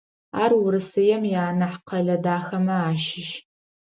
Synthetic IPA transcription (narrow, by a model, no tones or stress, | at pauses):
aːrwʊɾɨsɨjɛmjaːnɐħqʰɐɮɐdaːxɐmɐaːʃɪʃ